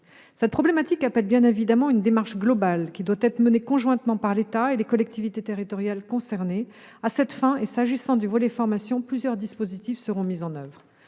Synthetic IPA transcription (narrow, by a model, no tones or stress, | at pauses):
sɛt̪̚pχɔblemat̪ikapɛlbjɛ̃nevid̪amɑ̃ynd̪emaʁʃɡlɔbalkʲid̪wat̪ɛt̪χəmənekɔ̃ʒwɛ̃t̪mɑ̃paʁlet̪aelekɔlɛk̚t̪ivit̪et̪eʁit̪ɔʁjalkɔ̃sɛʁne | asɛt̪fɛ̃esaʒisɑ̃d̪yvɔlɛfɔʁmasjɔ̃plyzjœʁd̪ispozit̪ifsəʁɔ̃mizɑ̃nœvʁ